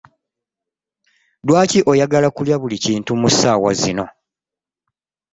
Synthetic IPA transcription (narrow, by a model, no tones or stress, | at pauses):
dwaːciʔo̞jaɡalakuljaβuliciːntumusaːwa̰zino̞